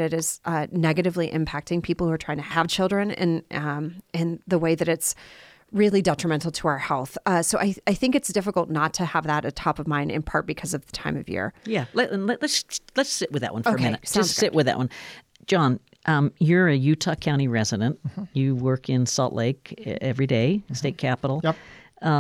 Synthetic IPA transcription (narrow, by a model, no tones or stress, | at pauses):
ɾɨɾɪz̥ʌnɛɡɨɾɨvliʔɪ̰̃mpʰæk̚tɪ̃ŋpʰipl̩ˠhuə˞ɹ̥aɪɪ̃ŋtʰɨəv̥t͡ʃʰɪlˠdɹɨ̃nɪ̰̃nʔɪ̃nðəweɪðɨɾɨts | ɹɪlˠidɛt͡ʃɹ̥əmɛ̃ntˡl̩ˠtʰəaʊə˞hɛlˠθʌsoʊʔaɪaɪθɪ̃ŋkɨtsd̥ɪfəkl̩ˠtⁿnətʰɨəvðəɾɨtʰɑpʌvmãɪ̃nɨ̰̃npʰɑɹt̚b̥ɨkʰʌzʌvðətʰãɪ̃mʌ̰vjɪ̰ɹjælɨʔləʔlɨtslɨtsɪʔ̚wɨðɨʔ̚wʌ̃nfoʊ˞kmɪ̃nɨt̚sḁʌ̃nssɪʔwʔɨðɨ̰ʔwʌ̃n | d̥ʒ̥ɑ̃n | ʔʌjə˞ɨjʉtʰɑkʰãʊ̃ɾ̃iɹɛzɨɾɨ̃nʔjɨwɜ˞kɪ̃nsɔ̰lˠʔleɪkɛvɹideɪsteɪt̚kʰæpəɾl̩ˠ